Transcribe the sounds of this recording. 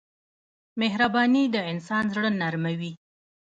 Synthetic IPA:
meɦɾabɑnid̪əɪnsɑnzɽənaɾmawi

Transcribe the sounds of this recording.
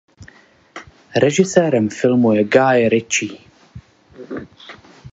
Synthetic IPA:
ɾɛʒɪsɛːɾɛmfɪlmujɛɡajɾɪt͡ʃi

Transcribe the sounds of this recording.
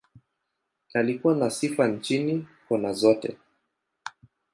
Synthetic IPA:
alikuwanasifan̩t͡ʃinikɔnazɔtɛ̰

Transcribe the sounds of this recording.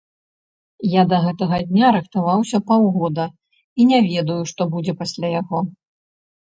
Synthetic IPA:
jad̪ɐɣɛt̪ɐɣɐd̪ʲnʲaɾɨxt̪avawsʲɐpawɣɔd̪ɐ | inʲɛvʲɛd̪ɐjuʂt̪ɔbud͡zʲɛpasʲlʲajaɣɔ

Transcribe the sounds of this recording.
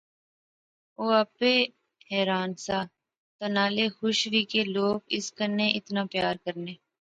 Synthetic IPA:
oːɐpeː | ɦɛːɾaːnsaː | t̪ɐnaːlexʊʃʋiːkeloːɡɪskəɾneʔɪt̪naːpjaːɾkəɾneː

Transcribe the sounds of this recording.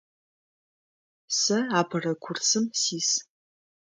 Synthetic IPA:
sɐapʰɨrɐkʷʰʊrsɨmsiːs

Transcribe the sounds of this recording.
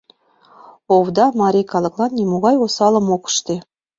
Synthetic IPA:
owd̪ɑmɑɾʲikɑlˠɤ̆klˠɑnːʲemoʁɑjosɑlˠɤ̆mokə̥ʃt̪e

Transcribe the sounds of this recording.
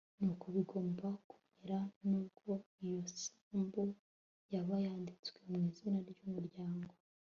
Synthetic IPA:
nukoβiɡo̞ːmbaku̥meɾanuːbɡo̞ijo̞saːmbo | jaβajaːndit͡swe̞mŋiːzinaɾjomuɾjaːŋɡo̞

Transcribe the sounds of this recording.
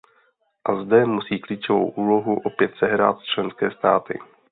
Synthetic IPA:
ʔazdɛmusiːkliːt͡ʃovo̰wʔuːlo̞ɦuʔo̞pjɛt̪sɛɦɾa̰ːt̪st͡ʃlɛnskɛːst̪aːt̪ɪ̰

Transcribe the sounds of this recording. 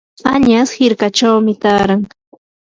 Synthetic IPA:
aɲashɪɾkat͡ʃawmɪt̪aːɾaŋ

